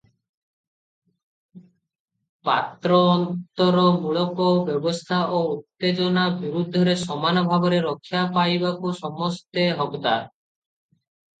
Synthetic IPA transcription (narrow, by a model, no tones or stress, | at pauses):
pa̰t̪ːɾoɔnt̪oɾomuɭokobɛbost̪ʰaʔout̪ːed͡ʑonabiɾud̪̚ʱːd̪ʱoɾeʃɔmanobʱaboɾeɾokʰːjapajbakuʃɔmost̪eɦɔbd̪aɾ